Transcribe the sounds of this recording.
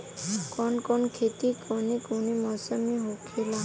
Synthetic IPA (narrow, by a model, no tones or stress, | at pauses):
kɔnkɔnkʰet̪ikɔnikunimɔsɔmiɦokʰila